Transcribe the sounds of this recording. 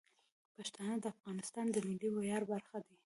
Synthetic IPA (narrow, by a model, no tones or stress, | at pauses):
paʃt̪ɑnəd̪əafɣɑnɪst̪ɑnd̪əmɪlːiwajɑɾbaɾxad̪i